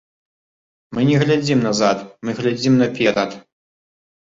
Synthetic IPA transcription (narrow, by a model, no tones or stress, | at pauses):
mɨnʲɛɣlʲad͡zʲimnɐzat̪mɨɣlʲad͡zʲimnɐpʲɛɾɐt̪